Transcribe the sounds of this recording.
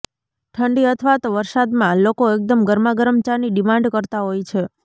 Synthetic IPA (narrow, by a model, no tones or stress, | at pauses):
ʈʰəɳɖiət̪ʰʋat̪oʋəɾsad̪mãlokoek̚d̪əmɡəɾmaɡəɾəmt͡ʃaniɖimãɳɖkəɾt̪aɦojt͡ʃʰe